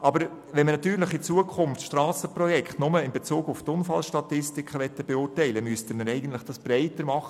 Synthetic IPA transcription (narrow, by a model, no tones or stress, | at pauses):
ʔɑbəɾ | vʋɛnmənɑt̪yːɾlɪχit͡suəkʰχʊnft̪ʃtrɑːsəprɔjɛkχtnʊməɪnbet͡suːɡʊft̪ʊnfɑlʃtɑtɪstɪkʰəʋɛt̪ːəb̥eʊːrtɛɪləmyəstəməɾɛɪɡən̩t̪lɪχd̥ɑsb̥ɾɛɪtəɾmɑχə